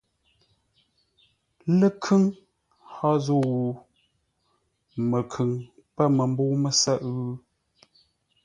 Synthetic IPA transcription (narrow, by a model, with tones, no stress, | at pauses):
lə˦kʰʉ˦ŋ | hɔ˦zo˦˨wu˨ | mə˨kʰʉ˨ŋ | pə˦mə˨m˦bo˦mə˨sə˦ʔɣʉ˦